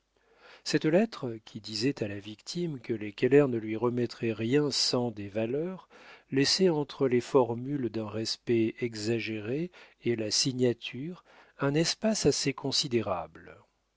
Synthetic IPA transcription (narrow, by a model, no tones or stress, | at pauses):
sɛt̪lɛt̪χəkʲʰid̪izɛt̪alavikt̪ʰimkəlekʲɛlɛʁnəlɥiʁəmɛt̪χɛʁjɛ̃sɑ̃d̪evalœʁlɛsɛɑ̃t̪χəlefɔʁmyld̪ɛ̃ʁɛspɛɛɡzaʒeʁeelasiɲat̪ʰyʁ | ɛ̃nɛspasasekʰɔ̃sid̪eʁabl